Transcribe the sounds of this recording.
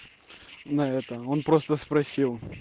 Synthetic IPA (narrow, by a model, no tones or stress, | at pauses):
nɐɛt̪əo̞npɾo̞st̪əspɾɐsʲilˠ